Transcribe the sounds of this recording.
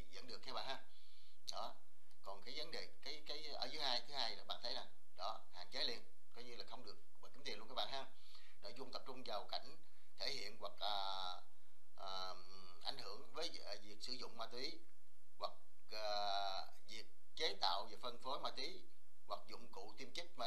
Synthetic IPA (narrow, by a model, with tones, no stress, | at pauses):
zə̰˧˥nɗɨ˨˩əkːjɓa̰ː˧˨haː˧ | ɗɔ˨˦ | kɔ˨˩nkaː˨˦jvə˨˦nɗe˨˩kaː˨˦jkaː˨˦jʔə̰ː˧˩zɨ˨˦haː˧jt̪ʰɨ˨˦haː˧jɓa̰ː˧˨nt̪ʰə˨˦jza˨˩ŋ | ɗɔ˨˦ | ha̰ː˨˩nt͡ɕe˨˦li˧ən | kɔ˨˦ɲɨ˧laː˨˩xə˧wŋ͡mɗɨ˨˩ək̚aː˨˩ki˨˦t̪i˨˩nlu˧nkaː˦jɓa̰ː˧˨hɦaː˧m | ɗɔ̰˧˩zu˧nt̪ə˨˩p̚t͡ɕʊ˧ŋ͡mzaː˨˩wka̰˧˩jŋ̟ | t̪ʰe˧˩hḭ˧˨ənwa˨˩k̚ʔəː˨˩ | ʔː | ʔa˧˩jŋ̟hɨ˧˩əŋvəː˨˦jvi˨˩ək̚sɨ˧˩zʊ̰˧˨ŋ͡mmaː˧t̪wi˨˦ | ɣwa˨˩k̚ | ʔəː˨˩ | vi˨˩ək̚ːe˨˦t̪a̰ː˧˨wve˨˩fə˧nfo˨˦jmaː˧t̪wi˨˦ | ɣwa˨˩k̚zʊ̰˧˨ŋ͡mkṵ˧˨t̪i˧əmt͡ɕi˦˥k̚ma˧